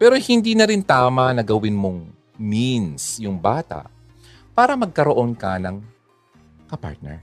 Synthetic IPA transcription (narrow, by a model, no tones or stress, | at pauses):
pɛːɾohɪnd̪iːnɐɾɪnt̪aːmɐnɐɡɐwɪnmoŋ | minsjʊŋbaːt̪a̰ʔ | paːɾɐmɐɡ̚kɐɾoʔo̞nkɐnɐŋ | kɐpa̰ɹt̪̚nɛ̰ɹ